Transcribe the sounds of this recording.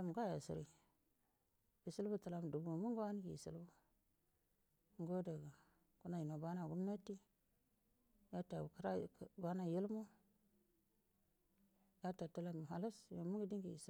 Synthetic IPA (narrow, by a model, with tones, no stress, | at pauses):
a˦m˨ɡa˦ja˨sḭ˨ɾi˨ | bi˨si˦lbu˦ta˨la˨m˨du˨bu˨mu˦ŋɡa˦n˦ɡi˨ḭ˨sḭ˨lbu˦ | ŋɡo˦da˨ɡa˨ | ku˦na˨ji˨no˨ba˦na˨ɡu˦mna˦ti˦ | ja˦ta˨ka˦ɾa˦˨ba˦na˦ji˦lmo˦ | ja˦ta˨ta˦la˦˨mu˨ɦa˨la˦sno˨mu˦ŋɡi˦di˦ŋɡi˨jḭ˨s